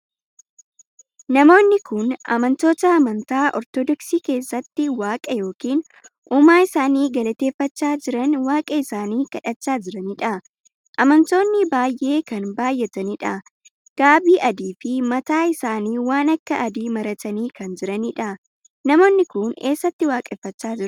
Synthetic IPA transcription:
nɐmo̞ːnːɪkʊnɐ̰mɐnt̪o̞ːt̪ɐːmɐnt̪aːʔɔ̰ɾt̪ɔd̪ɔksiːke̞ːsːɐt̪ːɪwaːkʼɐjo̞ːkiːn | ʔuːmaːɪsaːniːɡɐlɐt̪e̞ːfːɐt͡ʃːaːd͡ʒɪɾɐnwaːkʼɐɪsaːniːkɐᶑɐt͡ʃːaːd͡ʒɪɾɐniᶑɐ | ʔɐmɐnt̪o̞ːnːɪbaːjʔe̞ːkɐnbaːjːɛt̪ɐniᶑɐ | ɡ̥aːbiːʔɐd̪iːfɪmɐt̪aːɪsaːniːwaːnɐkːɐʔɐd̪iːmɐɾɐt̪ɐniːkɐnd͡ʒɪɾɐniᶑɐ | nɐmo̞ːnːɪkʊne̞ːsːɐt̪ːɪwaːkʼɛfːɐt͡ʃːaːd͡ʒɪɾ

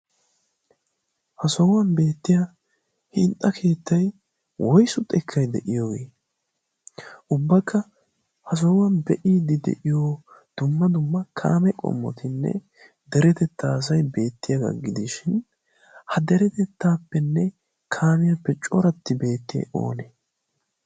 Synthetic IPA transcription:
hɐsɔwɐnbe̞ːt̪ːɪjɐ | hɪnt̪ʼːɐkʰe̞ːt̪ːɐj | wɔjsʊt̪ʼɛkʰːɐjd̪ɛʔɪjoɡeː | ʔʊbːɐkʰːɐ | hɐs̬ɔwɐnbɛʔiːd̪ɪd̪ɛ̰ʔɪjo | d̪̥ʊmːɐd̪ʊmːɐkʰa̰ːmɛkʼɔ̰mːɔ̰t̪ʰɪnːɛ̰ | d̪ɛɾɛt̪ɛt̪ʰːaːs̬ɐjbe̞ːt̪ːɪjɐɡɐ̰ɡɪd̪ɪʃɪn | hɐd̪ɛɾɛt̪ɛt̪ːaːpːɛnːɛ | kʰaːmɪjɐpːɛt͡ʃʼɔɾɐt̪ːɪbe̞ːt̪ːɪjɛ̰ʔo̞̰ːneː

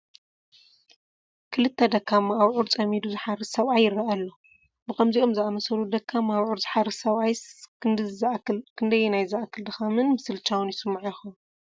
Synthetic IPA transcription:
kʰɨlɨt̪ʰːɐd̪ɐkʰːamaːβʕuɾt͡sʼɐmid̪uzɨħaɾɨsɐβajɪrːɐʔalːo | bɨkʰɐmzio̞mzɨamɐsɐlud̪ɐkʰːamaaβʕuɾzʼɨ̥ħaɾɨsɐβʔaj | kʰɨnd̪ɐjːɛnajzaʔakʰːɨld̪ɐxamɨnmɨsɨlt͡ʃʰawunjɪsɨmːaʕjxɐm

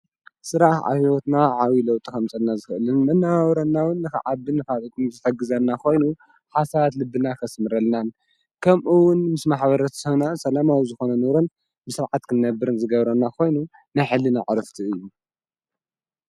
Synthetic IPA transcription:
sɨɾaħʕa̰hiwot̪naʕawilɐwt̪ʼikɐmt͡sʼɐlnazɨxʔɨlɨnmɨnːaawɾɐnːawʊnːɨxɨ̰ʕabɨnɨkaβɨkʼɨmzɨt̪ʰɐɡɨzɐnːakʰo̞jnu | ħasaβat̪lɨbːɨnakʰɐsmɨɾɐlnan | kʰɐmʔuwʊnmɨsmaħbɐɾɐt̪sɐβnasʼɐlamawizɨxo̞nɐnɨɾon | bɨsɨɾʕat̪kʰɨnːɐbːɨɾɨnzɨɡɐβɾɐnːakʰo̞jnu | najħɨlːɨnaʕɾɨft̪ʰiɨjːu

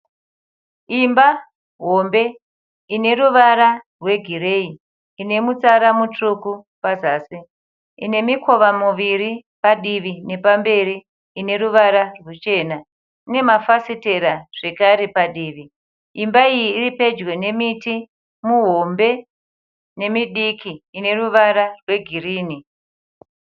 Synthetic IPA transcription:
imba | ɦo̞mbe̞ | ine̞ɾuʋaɾarwe̞ɡʱire̞i | ine̞mut͡saɾamutuku | pazaːsi | ḭne̞mikʰo̞ʋamuʋiɾipaɗiʋine̞pambe̞ɾi | ine̞ɾuʋaɾarwut͡ʃe̞ːna | ine̞mafasite̞ɾaʐ̥e̞kaɾe̞paɗiːʋi | imbaijiːripe̞d͡ʒwe̞ne̞miti | muɦo̞mbe̞ | ne̞miɗikiːne̞ruʋaɾarwe̞ɡʱiriːni

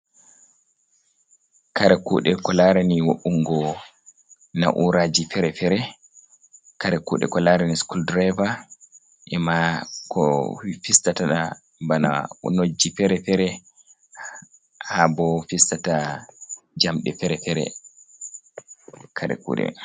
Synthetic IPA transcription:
kaɾɛkuːɗɛkɔlaɾɛniwoʔuŋɡɔ | na̰ʔuɾad͡ʒifɛɾɛfɛɾɛ | kaɾɛkṵːɗɛ̰kɔlaɾɛniskuldɾɛva | ʔɛmakʰɔfistataɗa | bana̰ṵnod͡ʒːifɛɾɛfɛɾɛ | habɔfistata | d͡ʒamɗɛfɛɾɛfɛɾɛ̰ | kʰaɾɛ̰kṵːɗɛ̰

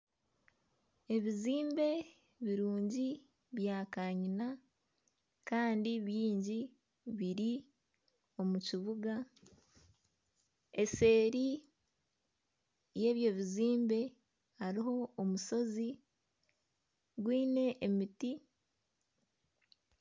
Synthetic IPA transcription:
e̞βiziːmbe̞ | βiɾuːɲɟi | βjaːkaɲina | kaːndiβiːɲɟi | βiɾi | o̞muciβuɡa | e̞se̞ːɾi | je̞ːβje̞ːβiziːmbe̞ | haɾiɦo̞ːmuso̞zi | ɡwiːne̞ʔːmiti

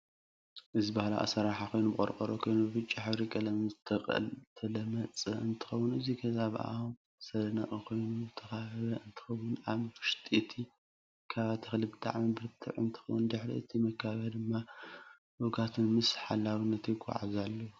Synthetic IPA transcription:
ʔɨzibahla̰ʔa̰sɐɾaħakʰo̞jnubɨkʼo̰ɾkʼɐɾokʰo̞jnubɨbɨt͡ʃʼːiħɨβɾikʼɐlɐmizɨt̪ʰɐχʼɐ̰lt̪ʰɐlɐmɐt͡sʼɨɨnt̪ʰɨ̥xɐwːʊnɨzikʰɐzaβa̰ | sɐlɐnɐʔʼikʰo̞jnuuzɨt̪ʰɐxaɐβɐɨnt̪ʰɨ̥xɐwːʊnaβfɨʃt̪ʼit̪ʰi | kʰaβat̪ʰixlibɨt̪ʰʼa̰ʕmibɨɾt̪ʰɨ̰ʕɨ̰nt̪ʰɨ̥xɐwʊnd̪ɨħɾḭɨt̪ʰimɐkʰːaβɐd̪ɨmːa | boɡat̪ʰunmɨsħalːawinːɐt̪jɪɡʷʼa̰ʕa̰zalːɐwu

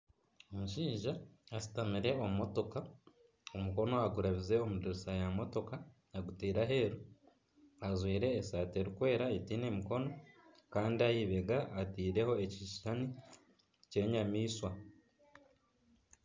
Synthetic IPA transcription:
o̞muʃiːʒaːsi̥tamiɾe̞o̞mumo̞to̞ka | omuko̞no̞aɡuɾaβize̞o̞mudoɾisajamo̞to̞ka | aɡutiːɾaɦe̞ɾu | azwiːɾe̞ːsaːte̞ɾikwe̞ːɾaetiːne̞miko̞no̞ | kaːndiajiβe̞ɡaʔːtiːɾe̞ho̞eciʃiʃani | ce̞ɲamiːswa

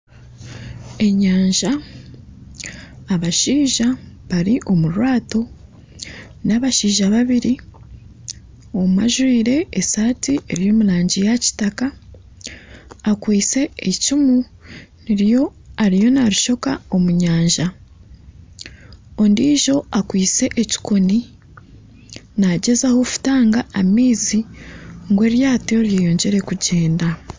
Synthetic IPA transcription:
e̞ɲaːɲʒa | βaʃiːʒaβaɾiʔo̞muɾwaːto̞ | naβaʃiːʒaβaβiɾi | o̞mma̰ʒwiːɾe̞esaːtiʔe̞ɾijo̞ːmuɾaːɲɟijaci̥taka | kwiːt͡se̞ecumuniɾjo̞aɾijo̞naɾuʃo̞kao̞muɲaːɲʒa | o̞ndiːʒo̞akwiːt͡se̞ʔeci̥ko̞ni | naɟe̞zaho̞fu̥taːŋɡaːmiːziŋɡwe̞ːɾjaːteɾjejo̞ːɲɟe̞ɾe̞kuɟe̞ːnda

